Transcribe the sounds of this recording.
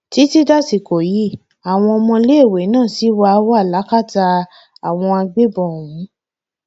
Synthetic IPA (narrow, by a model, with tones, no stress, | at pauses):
ti˨˦ti˦da˦si˧˨ko˨ji˨˦ | a˨w̃ɔ̃˧ɔ˧mɔ̃˧le˦˨we˨˦nãː˦˨si˨˦wa˧wa˦˨la˨˦ka˦˨ta˧ | a˨w̃ɔ̃˧a˧ɡ͡be˦bɔ̃˨wũ˨˦